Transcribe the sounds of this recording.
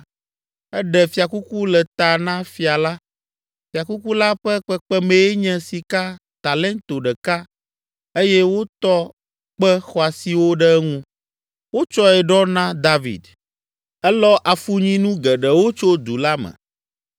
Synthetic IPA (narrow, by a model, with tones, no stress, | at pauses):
ɛ˦ɖɛ˨fi˨a˨ku˦ku˦lɛ˨t̪a˨nã˦fi˨a˨la˦ | fi˨a˨ku˦ku˦la˦ɸɛ˦k͡pɛ˦k͡pɛ˦mẽ˨ɛ˦ɲɛ̃˦si˨ka˦ | t̪a˨lɛ˦nt̪o˨ɖɛ˨ka˦ | e˦jɛ˦wo˦t̪ɔ˦ | k͡pɛ˦xɔ˦a˨si˨wo˦ɖɛ˦ŋũ˦ | wo˦t͡ʃɔ˦ɛ˨ɖɔ˦nã˦d̪a˦vḭ˨d̪ | ɛ˦lɔ˦ʔa˨fu˦ɲĩ˦nũ˦ɡɛ˨ɖɛ˨wo˦t͡ʃo˦d̪u˨la˦mɛ̰̃˨